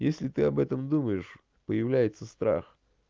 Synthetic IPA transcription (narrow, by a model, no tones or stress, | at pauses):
jesʲlʲɪt̪ɨɐbɛt̪əmd̪uməjɪʂ | pəjɪvlʲæjɪt̪səst̪ɾa̰x